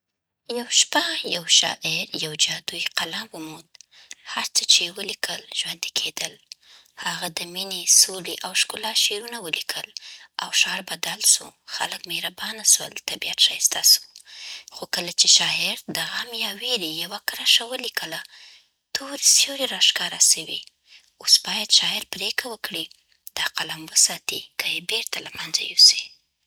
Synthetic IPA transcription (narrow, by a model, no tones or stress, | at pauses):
jawʃpajawʃɑ̰ʔɪɾjawd͡ʒɑd̪ujqalamwəmud̪̚ | haɾt͡sət͡ʃewəlikʰəlʒ̥wand̪i̥kʰed̪əl | haɣad̪əminesoliʔawʃkulɑʃeɾunawəlikʰəla̰wʃɑɾbad̪alsṵxa̰ləkmehɾabɑnaswə̰lt̪abiat̪ʃast̪asu̥xokəlat͡ʃeʃɑɪɾd̪əɣamjɑweɾijawakɾaʃawəlikʰəla | t̪ʰoɾisjoɾeɾɑʃkɑɾasəwḭ | osbɑjad̪ʃɑɪɾpɾekawəkɽi | d̪̥ɑqalamwəsɑt̪ikajebeɾt̪alamanza̰josi̥